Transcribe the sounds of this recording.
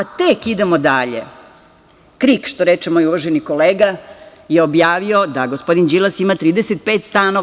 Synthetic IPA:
at̪ekid̪emod̪aʎḛ | kɾikʃt̪o̞ɾet͡ʃemojuʋoʒeniko̞leːɡa | jeobjaːʋio̞d̪aɡo̞spo̞d̪ind͡ʒilˠasimat̪ɾiːd̪eset̪̚peːt̪st̪ano

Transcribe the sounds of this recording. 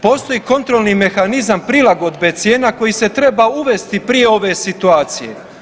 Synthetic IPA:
po̞ːst̪o̞jiːko̞nt̪ɾo̞lnime̞xanizampɾilaɡo̞d̪bet̪sje̞ːnako̞jise̞t̪ɾe̞bauʋe̞st̪ipɾije̞o̞ʋe̞sit̪uaːt̪sije̞̰

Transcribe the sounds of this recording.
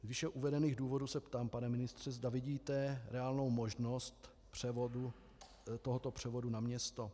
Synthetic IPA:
zvɪʃɛʔuvɛdɛniːɣduːvo̞dusɛpt̪aːmpanɛmɪnɪst̪r̝̥ɛzdavɪɟiːt̪ɛɾɛaːlno̞wmo̞ʒno̞st̪ | pr̝̥ɛvodu | t̪oɦot̪o̞pr̝̥ɛvo̞dunamɲɛst̪o̞

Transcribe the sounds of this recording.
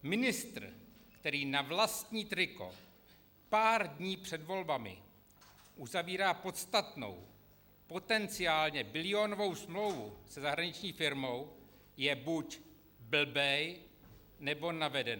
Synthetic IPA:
mɪnɪst̪r̩kt̪ɛɾiːnavlast̪ɲiːt̪ɾɪko̞̰ | paːɾdɲiːpr̥ɛdvo̞lbamɪ̰ | ʔuzaviːɾaːpo̞t̪st̪at̪no̞̰w | po̞t̪ɛnt͡sɪjaːlɲɛbɪlɪo̞novo̞wsmlo̞wvusɛzaɦɾaɲɪt͡ʃɲiːfɪɾmo̞w | jɛbuc | bl̩bɛj | nɛbo̞navɛdɛn

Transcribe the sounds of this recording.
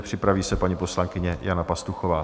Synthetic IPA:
pr̝̥ɪpɾaviːsɛpaɲipo̞slaŋkɪɲɛjanapast̪uxovaː

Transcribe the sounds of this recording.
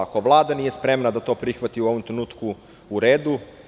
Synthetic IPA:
ako̞ʋlˠaːd̪anije̞spɾe̞mnad̪at̪o̞ːpɾixʋat̪iuo̞ʋomt̪ɾenuːt̪ku | uɾeːd̪u

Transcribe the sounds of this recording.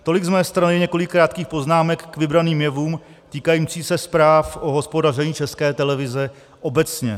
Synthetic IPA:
t̪o̞lɪɡzmɛːst̪ɾanɪjɛɲɛko̞lɪkːɾaːt̪̚kiːxpo̞znaːmɛkːvɪbɾaniːmjɛvuːm | t̪iːkajiːmt͡siːsɛspɾaːfʔo̞ɦo̞spo̞darɛɲiːt͡ʃɛskɛːt̪ɛlɛvɪzɛ | ʔo̞bɛt͡sɲɛ

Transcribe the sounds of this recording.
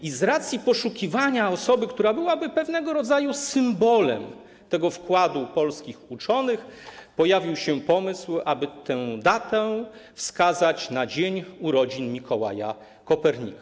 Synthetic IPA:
izɾat̪sʲjipɔʂukʲivaɲaɔsɔbɘkt̪uɾabɘwabɘpɛvn̪ɛɡɔɾɔd̪zajusɘmbɔlɛ̰m | t̪ɛɡɔfkwad̪upɔlskʲixut͡ʂɔnɘxpɔjavʲiwɕɛpɔmɘswabɘt̪ɛ̃wd̪at̪ɛfskazat͡ɕnad͡ʑeɲuɾɔd͡ʑinmʲikʰɔwa̰ja̰ | kɔpɛɾɲḭka

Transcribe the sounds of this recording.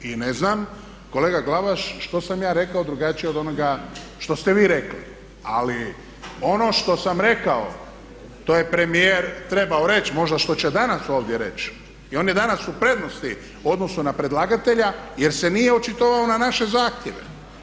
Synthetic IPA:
ine̞znam | ko̞leːɡaɡlaʋaʃʃt̪o̞samjaːɾe̞kaod̪ɾuɡat͡ʃijeod̪o̞noɡaʃt̪o̞st̪eʋiːɾe̞klḭ | a̰li | o̞no̞ʃt̪o̞samɾe̞kao̰ | t̪oːje̞pɾe̞mijeːɾt̪ɾe̞baoɾe̞t͡ʃmo̞ʒd̪aʃt̪o̞t͡ɕed̪anaso̞ːʋd̪jeɾe̞̰t͡ʃ | io̞ːnje̞d̪anasupɾe̞d̪no̞st̪i | uo̞d̪no̞sunapɾe̞d̪lˠaɡat̪eʎaje̞ɾse̞nijeot͡ʃit̪oʋaonanaʃe̞zaːxt̪jeʋḛ

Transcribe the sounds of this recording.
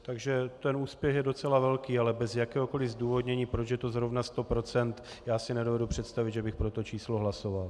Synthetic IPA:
t̪aɡʒɛt̪ɛnuːspjɛxjɛdo̞t͡sɛlavɛlkiːalɛbɛzjakɛːɦoko̞lɪzduːvo̞d̪ɲɛɲiːpɾot͡ʃjɛt̪o̞zɾovnast̪opɾo̞t͡sɛnt̪ | jaːsɪnɛdovɛdupr̥ɛt̪st̪avɪd̪ʒɛbɪxpɾo̞t̪o̞t͡ʃiːslo̞ɦlaso̞val

